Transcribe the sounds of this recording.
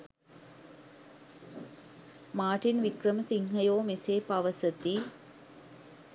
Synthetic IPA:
maːʈinʋikrɐməsiŋhɐjoːmiseːpɐʋɐsɐt̪i

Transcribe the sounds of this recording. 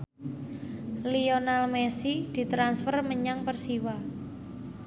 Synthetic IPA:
lionalmesid̪̥i̤t̪ɾansfərməɲaŋpərsiwa

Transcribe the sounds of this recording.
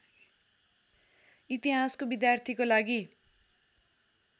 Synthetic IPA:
it̪iɦaskobid̪jart̪ʰikolaɡi

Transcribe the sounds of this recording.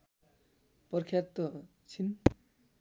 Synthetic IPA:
pʌrkʰjat̪ʌ | t͡sʰin

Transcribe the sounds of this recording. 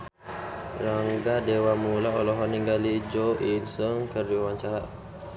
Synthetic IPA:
ɾaŋɡadewamulaolɔɦɔniŋɡalid͡ʒoʔinsəŋkərd͡ʒuwaɲt͡ʃaɾaʔ

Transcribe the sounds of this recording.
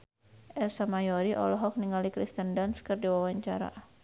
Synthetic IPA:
ʔɛsamajɔɾiʔɔ̰lɔɦɔk̚niŋalikɾist̪əndanskɨrdiwawaɲt͡ʃaɾa̰

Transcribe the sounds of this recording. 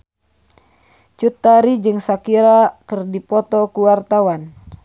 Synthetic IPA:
t͡ʃut̪ːaɾid͡ʒɨŋsakiɾakɨrdipɔt̪ɔkuwart̪awan

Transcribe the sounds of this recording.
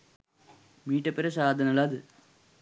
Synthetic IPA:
miːʈːɐpːeɾɐsaːd̪ʱɐnɐlaːðɨ

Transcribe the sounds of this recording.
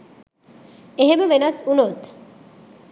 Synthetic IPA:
eɦeməʋenɐsunot̪

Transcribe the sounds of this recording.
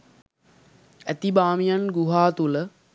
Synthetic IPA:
æt̪ibaːmijanɡuɦaːt̪ulə

